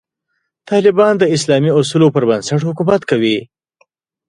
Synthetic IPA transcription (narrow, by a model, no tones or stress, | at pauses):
t̪ɑlɪbɑnd̪əɪslɑmiʊs̬ulopəɾbənsaʈhʊkumat̪kawi